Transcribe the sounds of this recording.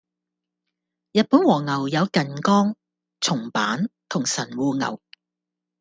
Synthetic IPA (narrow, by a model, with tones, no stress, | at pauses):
jɐ˨t̚puː˨˥nwɔː˨˩ŋɐ˨˩wjɐ˨˧wkɐ˨nkɔː˥ŋ | t͡sʰʊ˨˩ŋpa̰ː˨˥nt̪ʰʊ˨˩ŋsɐ˨˩nwuː˨˧ŋɐ̰˨˩w